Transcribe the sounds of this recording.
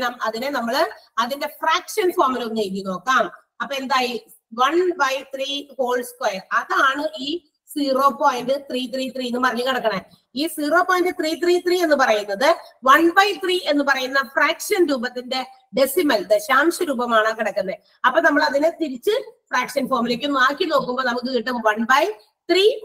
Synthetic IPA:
nɐmɐðinenɐmːɐɭɐðinde̞fraːkʂɐnfoːmɐlot͡ɕejk̬ːino̞ːkːaːm | ɐpːoːe̞nd̪aːj | ʋɐɳbɐjt̪riːko̞ːɭskwɐjɐrɐðaːɳɨʔiː | siːro̞ːpoːjnɖɨt̪riːt̪riːt̪rienːɨpɐrɐɲːukɐɽɐkːɐɳɐ | iːsiːroːpːoːjindɨt̪riːt̪riːt̪riːe̞nːɨpɐrɐjunːɐðɨʋɐɳbɐjt̪riːe̞nːɨpɐrɐjunːɐfraːkʂɐnɾuːbɐt̪ːinde̞ | ɖesimɐlt̪ɨɕaːmʂɐɾuːbɐmaːɳɨkiɽɐkːɐnːɐe | ɐpːoːnɐmːɐɭɐðinɨt̪iɾit͡ɕːɨfraːkʂɐnfoːrmulek̬ʲːunːaːkːino̞ːkːumbonɐmuk̬ːɨkiʈːɨʋɐɳbɐj | t̪riː

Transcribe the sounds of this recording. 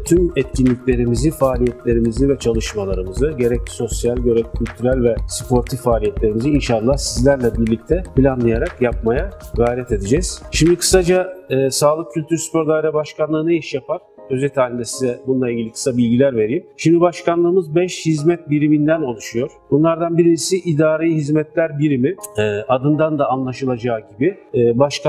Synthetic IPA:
t̪ʰymɛt̪cʰinlʲiclʲe̞ɾimizifaːlʲijɛt̪ʰlʲe̞ɾimizivɛt͡ʃʰalˠɯʃmalˠaɾɯmɯzɯɟe̞ɾɛcso̞sjalʲɟø̞ɾɛvcʰylʲt̪ʰyɾælʲvɛspʰo̞ɾt̪ʰifaːlʲijɛt̪lʲe̞ɾimiziinʃalˠːahsizlʲæɾlʲɛbiɾlʲic̚t̪ʰɛpilʲanlˠɯjaɾakjap̚majaɡajɾɛt̪e̞d̪id͡ʒɛz̥ʃimd̪ikʰɯ̥sad͡ʒaːsaːlˠɯk̚cʰːylʲt̪ʰyɾspo̞ɾd̪ajɾabaʃkʰanlˠɯːɯneiʃjapʰaɾ̥ | øzɛt̪ʰaːlʲind̪ɛsizɛbunlˠailʲɟilʲikʰɯ̥sabilʲɟilʲæɾve̞ɾijimʃimd̪ibaʃkanlˠɯːmɯzbɛʃhizmɛt̪̚biɾimind̪æno̞lˠuʃujo̞ɾ̥bunlˠaɾd̪anbiɾinisiʔid̪aːɾejiɦizmɛt̪lʲæɾbiɾimiɛːʔad̪ɯnd̪and̪aːnlˠaʃɯlˠad͡ʒaːɟibiː | baʃkʰa

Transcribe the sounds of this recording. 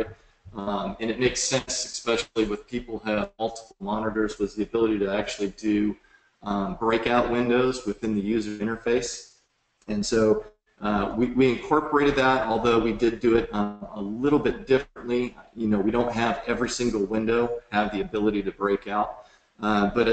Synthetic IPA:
mɨ̃nɨt̚meɪksɛ̃nsɨspɛʃl̩ˠiwɨð̥pʰipl̩ˠɨvmʌlˠtə̥pl̩ˠmɑnəɾə˞zwʌzðiɨbɪlˠəɾiɾɨæk̚t͡ʃʉl̩ˠidɨ | bɹeɪkaʊʔ̚wɪ̃ndoʊzwɨθɪ̃nðɨjʉzə˞ɪ̃ɾ̃ə˞feɪs | ɨ̃nsoʊ | ʌwiwiɨ̃nkʰɔɹpə˞eɪɾɨd̪̚ðəɾɔlˠðoʊwidɪdɨɪɾʌəlɪɾl̩ˠbɪt̚d̥ɪfɹɨ̃nʔlijɨnoʊwiɾõʊ̃nt̚ɦɨvɛvɹisɪ̃ŋɡl̩ˠwɪ̃ndoʊɨvðiɨbɪlˠəɾiɾɨbɹeɪkaʊt̚ | ʌb̥ʌɾɨ

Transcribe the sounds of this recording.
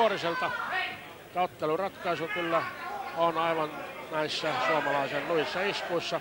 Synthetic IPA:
oriselt̪ɑ | t̪ɑot̪ːelurɑt̪kɑisukylːæonɑiʋɑnnæisːæsuɑmɑlɑisennuisːɑiskuisːɑ

